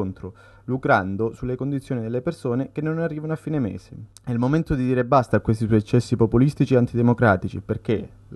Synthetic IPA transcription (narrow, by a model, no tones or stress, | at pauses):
nt̪ɾo | lukɾand̪osulːekond̪it̪sːjoːnid̪elːepersoːnekenːonarːiːvanoafːiːnemḛːze | ɛilmoment̪od̪id̪iːɾebːast̪akːwest̪iswɔjɛt͡ʃːɛsːipopulist̪it͡ʃieant̪id̪emokɾaːt̪it͡ʃḭperk̟e